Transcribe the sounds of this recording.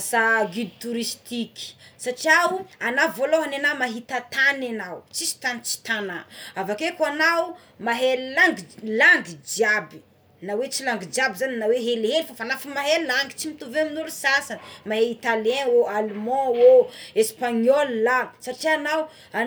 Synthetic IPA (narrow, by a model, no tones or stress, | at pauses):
saɡid̪it̪uɾist̪iki̥saʈ͡ʂiauanavoloɦanenamaɦit̪at̪ananawt͡ʃisi̥t̪anit͡ʃi̥t̪anaavakekwanau | maɦellaŋɡilaŋɡid͡ʒiabi | nawet͡silaŋɡid͡ʒiabizaninaweɦelɦelifafanafimaɦelaŋɡi̥t͡simit̪uveaminulusasanəmaɦeit̪aljɛ̃oalmɔ̃woespaɲɔlːaɡi̥saʈ͡ʂianaw | a